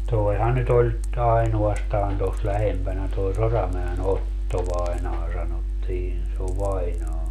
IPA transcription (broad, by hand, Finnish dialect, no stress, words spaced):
toehɑn nyt olʲ ɑinuɑstɑːn tos læhempænæ toi sorɑmæen otːo ʋɑinɑː sɑnotːiːn se oʋ ʋɑinɑː